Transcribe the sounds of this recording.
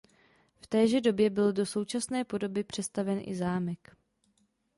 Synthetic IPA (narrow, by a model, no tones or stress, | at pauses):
ft̪ɛːʒɛdo̞bjɛbɪldo̞so̞wt͡ʃasnɛːpo̞do̞bɪpr̝̥ɛst̪avɛnʔɪ̰zaːmɛk